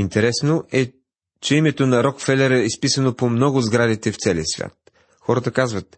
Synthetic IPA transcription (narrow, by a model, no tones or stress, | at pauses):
int̪ɛɾɛsnoʔɛ | t͡ʃɛimɛt̪onɐɾɔkfɛlʲɛɾəispisənopomnɔɡʊzɡɾad̪it̪ɛft̪sɛlḭəsvʲja̰t̪̚ | xɔɾət̪əkazvət̪